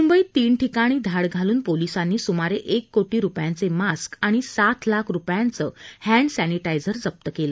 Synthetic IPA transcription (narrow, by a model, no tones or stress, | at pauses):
mumbəiːt̪iːnʈʰikaɽ̃iːd̪ʱaɽɡʱaluːnpolisanːiːsumaɾeʔekːoʈiːɾupjant͡semaskaɽ̃isat̪ʰlakʰɾupjant͡səːhæ̃ɳɖsæniʈajd͡zəɾd͡zəp̚t̪əkelə